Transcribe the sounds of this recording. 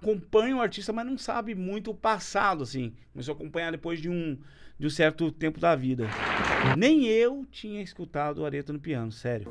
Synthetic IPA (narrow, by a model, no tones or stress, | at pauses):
akõpɐ̃ɲʊʊaɾt͡ʃist̪ɐmɐznɐ̃w̃sa̰bɪmũj̃t̪̬ʊːpasad̪ʊasĩkomes̬oakõpɐ̃ɲaɾd̪epojzd͡ʒɪũd͡ʒɪũsɛɾt̪ʊt̪ẽmpʊd̪avid̪ɐnẽj̃ewt͡ʃĩɲɐiskut̪ad̪ʊaɾet̪ɐnʊpiɐ̃nʊsɛɾjʊ